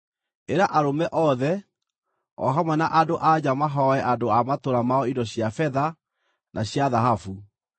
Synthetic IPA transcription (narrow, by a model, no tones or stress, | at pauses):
eɾaʔaɾomɛʔɔðɛ | ɔ̰ɦamwɛnaʔadoʔad͡ʑamaɦɔɛʔadoamatoɾamaɔidɔɕjafɛða | nʔaɕjaðaɦafu